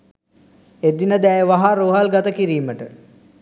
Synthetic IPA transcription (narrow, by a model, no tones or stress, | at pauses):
ed̪inəd̪æjəʋaɦaɾoːɦalɡat̪əkiɾiːməʈə